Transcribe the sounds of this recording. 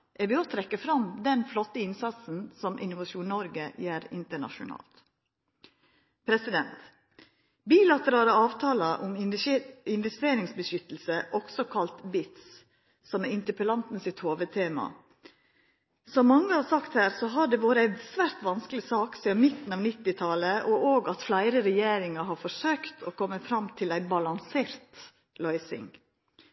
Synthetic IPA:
ʔɛɾʋɪoːt̪ʰɾɛkːəfɾɑmd̪ɛnflɔt̪ːəɪnsɑt̪sn̩sɔmʔɪ̰nʊʋɑʃuːnnɔɾɡəjæːɾɪ̰nt̪əɳɑ̰ʃʊ̰nɑ̰ːlt̪ | pʰɾɛsɪd̪ɛnt̪ | biːlɑt̪əɾɑːləɑːʋt̪ʰɑːləʔʊm | ɪnʋɛst̪eːɾɪŋsbəʃʏt̪l̩səʔɔksɔkʰɑlt̪bɪt̪s | sɔmɛɪnt̪əpəlɑnt̪n̩sɪt̪hoːʋət̪ʰeːmɑ̰ | sɔmːɑŋːəhɑːsɑkt̪hæːɾsɔɦɑɖɛʋoːɾəæɪsʋæːɾt̪ʋɑnsklɪsɑːksiːɑnmɪt̪n̩ɑːʋnɪt̪ːɪt̪ʰɑləʔɔʔoːɡɑt̪flæɪɾəɾɛjeːɾɪŋɑɦɑɾfɔʂøːkt̪ʰɔːkʰɔmːəfɾɑmt̪ʰɪlæɪbɑlɑnseːɾt̪ | lɔʏsɪ̰ŋ

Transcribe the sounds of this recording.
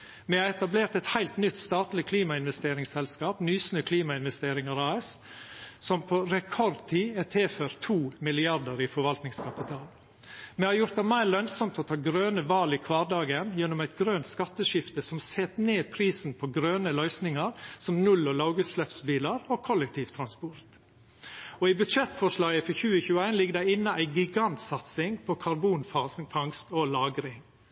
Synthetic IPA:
mɛɑɛt̪ɑbleːɾt̪ɛt̪hæɪlt̪nʏt̪ːst̪ɑːt̪lɪkʰliːmɑɪnʋɛst̪eːɾɪŋsɛlskɑːpnyːsnøːkʰliːmɑɪnʋɛst̪eːɾɪŋɑɾɑːɛs | sɔmpʰɔɾɛkʰɔɾd̪t̪ʰiːɛt̪ʰeːføːɾt̪ʰuːmɪlɪɑɾɖəɾɪfɔɾʋɑlt̪nɪŋskʰɑpɪt̪ʰɑːl | mɛhɑɾjʊɾt̪d̪ɛmæɪɾlœnsɔmt̪ʰɔt̪ʰɑːɡɾøːnəʋɑːlɪkʰʋɑːɖɑːɡənjɛnːɔmæɪt̪ɡɾøːnt̪skɑt̪ːəʃɪft̪əsɔmseːt̪neːd̪pʰɾiːsn̩pʰɔɡɾøːnəlœʏsnɪŋɑɾsɔmnʉlːɔlɑʊɡʉːt̪slɛpsbiːlɑɾokʰɔlːɛk̚t̪ʰiːʋt̪ʰɾɑnspɔɾt̪ | ɔɪbʉt̪ʃɛt̪ːfɔʂlɑːɡəfɔçʉːəçʉːəæɪnlɪɡːəd̪ɛɪnːəʔæɪɡɪɡɑnt̪sɑt̪sɪŋpʰɔkʰɑɾbuːnfɑsnfɑŋst̪ɔlɑːɡəɾɪŋ

